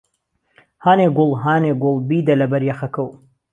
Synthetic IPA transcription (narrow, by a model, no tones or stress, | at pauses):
haːneːɡʊlˠɦaːneɡʊlˠbiːd̪ɐlɐbɐɾjɐxɐkɐw